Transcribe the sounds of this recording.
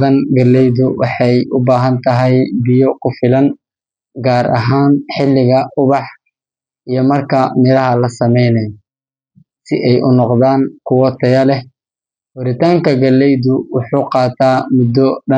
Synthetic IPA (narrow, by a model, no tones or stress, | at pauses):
ðɐŋɡɐlːɛjðʊwɑħɑjʔʊbaːɦɐnt̪ʰɐɦɛjbɪjɔkʰʊfɪlɐn | ɡaːɾʔɐ̰ɦaːnħɪlːɪɣɐʔʊβɑħ | ʔijɞmɐrkʰɐmɪɾɐɦɐlɐsɐmɛjnɛj | sɪʔɛjʔʊnɔqðaːŋkʰʊwɔt̪ʰɐjɐlɛh | wɐɾɪt̪ʰaːŋkʰɐɡɐlɛjðʊwʊħuːqɑːt̪ʰaːmʊd̪ːɔɖɐ